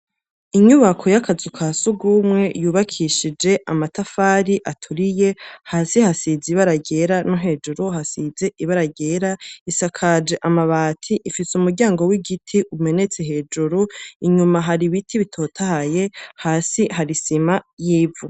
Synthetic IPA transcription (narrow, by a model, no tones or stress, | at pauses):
iɲuβakʰo̞jakʰazukʰasuɡumŋe̞juːβakʰiʃid͡ʒe̞ʔamatafaːɾiʔatʰuɾije̞haːsihasiziβaɾaɟe̞ɾanuɦe̞ːd͡ʒuɾuhasize̞ʔiβaɾaɡe̞ɾaisakʰad͡ʒe̞ʔamaβaːtʰiʔifisumuɾɟaːŋɡo̞wiɡitʰiʔume̞ne̞t͡se̞ɦe̞ːd͡ʒuɾuiɲumaɦaɾiβitʰiβitʰo̞ːtʰahaje̞haːsihaɾisimajiːvu